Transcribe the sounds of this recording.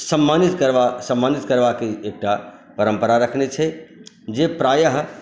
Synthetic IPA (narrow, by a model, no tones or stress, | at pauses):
səmːanit̪kəɾʋasəmːanit̪kəɾbakeːk̚ʈapəɾəmpəɾaɾəkʰnet͡ʃʰɛ | d͡ʒepɾajəɦ